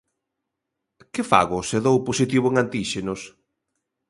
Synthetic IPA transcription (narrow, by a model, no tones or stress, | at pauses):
kɪfa̰ɣʊseðowposit̪iβ̞ʊeŋant̪iʃenʊs